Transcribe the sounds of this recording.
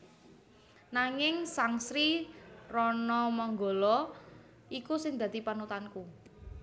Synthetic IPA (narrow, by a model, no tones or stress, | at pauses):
naŋɪŋsaŋsɾirɔnɔmɔŋɡolɔ | ikusɪŋd̪ä̤d̪̥i̤panut̪anku